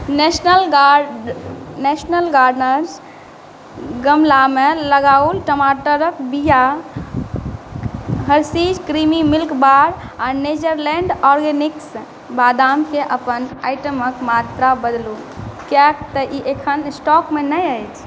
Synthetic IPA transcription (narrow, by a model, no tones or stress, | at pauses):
nesnəlɡ | nesnəlɡaɾɖnəɾs | ɡəmlameləɡaulʈəmaʈəɾəkbija | ɦəɾsid͡ʒkɾimimilkbaɾaɾned͡ʒəɾleɳɖɔɾɡeniks | bad̪amkeʔəpənajʈəməkmat̪ɾabəd̪lu | kakt̪əʔiʔekʰənsʈɔkmenəjəjt͡ʃʰ